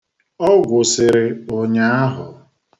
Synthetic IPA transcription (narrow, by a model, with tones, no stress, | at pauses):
ɔ˦ɡʷʊ˨sɪ˨ɾɪ˨ʊ˨ɲa˦a˦ɦʊ˨